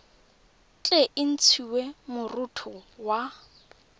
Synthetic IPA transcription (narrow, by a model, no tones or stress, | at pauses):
t͡ɬʼeʔɪn̩t͡sʰiwemʊrutʰʊwa